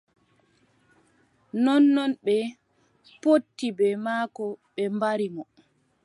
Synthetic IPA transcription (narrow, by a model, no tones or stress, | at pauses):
nɔnːɔnɓɛ | potːibɛmaːkɔɓɛmbaɾimɔ